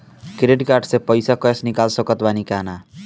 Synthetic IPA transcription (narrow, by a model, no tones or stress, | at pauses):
kɾeɖkaɾɖsepʌjsakʌsnikalsʌkʌt̪banikana